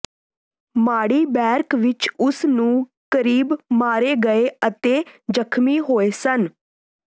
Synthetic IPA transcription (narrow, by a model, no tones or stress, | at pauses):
maːɽiːbɛːɾkʋɪt͡ʃʊsnũː | kəɾiːbmaːɾeːɡəeːət̪eːd͡ʒəkʰmiːɦoːeːsən